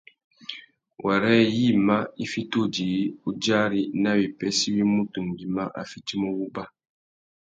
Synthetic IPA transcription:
wa˨ɾɛ˦ji˦˨ma˦i˦fi˦to˦d͡ʒi˨˦u˦d͡ʒa˦ɾi˦na˦wi˨pɛ˦si˦wi˦mu˦tu˨ŋ˨ɡi˨ma˦ʔa̰˨fi˦ti˦mo˦wu˦ba˦

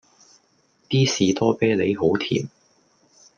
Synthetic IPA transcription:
piː˥siː˨t̪ɔː˥peː˥le˨˧jɦo˨˥wt̪ʰḭː˨˩m

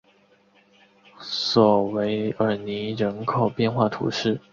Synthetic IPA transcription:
swɔ˨˩we˧˥ɪə˞˨˩ni˧˥ɻə˧˥nkʰo˨˩ʊpjɛ˥˧nxwa˥˩t̪ʰṵ˧˥ʂɻ̩˥˩

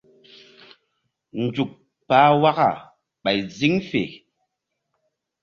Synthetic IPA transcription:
n̩˨d͡ʒu˨k̚ | paː˨˦wa˦ka˨ | ɓa˨jzi˦ŋfḛ˨

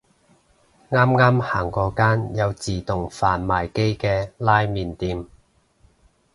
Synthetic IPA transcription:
ŋaː˥mŋaː˥mhaː˨˩ŋkɔː˧kaː˥njɐ˨˧wt͡siː˨˩t̪ʊ˨˩ŋfaː˨nmaː˨˩jke˥jkɛː˧laː˥jmiː˨nt̪iː˧m

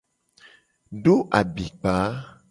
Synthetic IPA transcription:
ɖo˦ʔa˨bi˨k͡pa˨˦

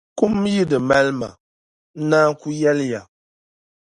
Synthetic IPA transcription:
ku˦m˦ji˦dɨ˨mɛ˦lma̰˨ | n̩˦naː˦ku˦jɛ˦lja˨

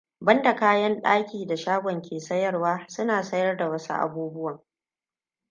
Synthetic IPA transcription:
bɐ˦nda˨kaː˦jɐ˦nɗaː˦kʲiː˨da˨ʃaː˦ɡʷɔ˨ŋkʲeː˨sɐ˦jɐ˦rwaː˦sʊ˦naː˨sɐ˦jɐ˦rda˨wɐ˦sṵ˦ʔa̰˨buː˦bʊ˦wɐ˨ŋ

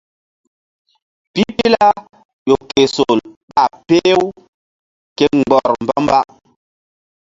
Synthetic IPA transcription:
pi˦pi˦la˦ | jo˨ke˨so˨lɓa˨pe˦w | kɛ˦ŋ˨ɡ͡bɔ˨ɾm̩˨bɔ˦m˦ba˦

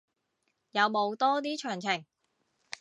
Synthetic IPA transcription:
jɐ˨˧wmo˨˧wt̪ɔː˥t̪̬iː˥t͡ʃʰœː˨˩ŋt͡sʰɪ˨˩ŋ

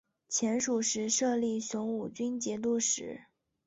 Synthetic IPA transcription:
t͡ɕʰjɛ˧˥nʂu˨˩ʂɻ̩˧˥ʂɤ˥˧li˥˩ɕjʊ˧˥ŋu˨˩t͡ɕy˥nt͡ɕjɛ˧˥t̪̬u˥˩ʂɻ̩˧˥

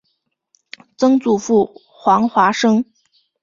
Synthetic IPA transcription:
t͡sɤ˥ŋt͡su˨˩fu˥˩ | xwɑ˧˥ŋxwa˧˥ʂɤ˥ŋ

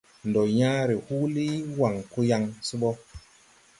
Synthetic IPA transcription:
ndo˨jã˦ɾi˨hu˦li˦wa˨ŋku˦ja˧ŋsi˦ɓɔ˦

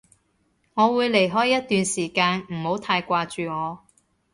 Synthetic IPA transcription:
ŋɔː˨˧wuː˨˧jle˨˩jɦɔː˥jːɐ˥t̚t̪yː˨nsiː˨˩kaː˧nm̩˨˩ho˨˥wt̪ʰaː˧jkʷaː˧t͡ʃyː˨ŋɔː˨˧

